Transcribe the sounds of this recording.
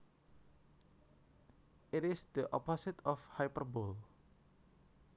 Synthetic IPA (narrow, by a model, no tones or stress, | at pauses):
ʔɪtɪsd̪̥əʔɔpɔsɪt̪ʰɔfhajpərbol